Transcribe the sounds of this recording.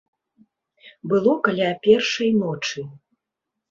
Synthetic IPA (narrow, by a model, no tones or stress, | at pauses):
bɨlˠɔkalʲapʲɛrʂɐjnɔt͡ʂɨ